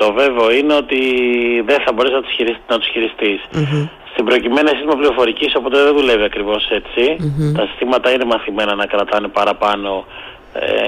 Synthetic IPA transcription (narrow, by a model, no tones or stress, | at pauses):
t̪o̞ve̞veoine̞o̞t̪iðeθɐbo̞ɾesnɐt̪u̥sçiɾisnɐt̪u̥sçiɾist̪is | st̪ibɾo̞cime̞nisist̪imɐpliɾo̞fo̞ɾiciso̞po̞t̪eðenðule̞viɐkɾivo̞se̞t͡sit̪ɐsi̥st̪imɐt̪ɐine̞mɐθime̞nɐnɐkɾɐt̪ɐnepɐɾɐpɐno̞ | ḛ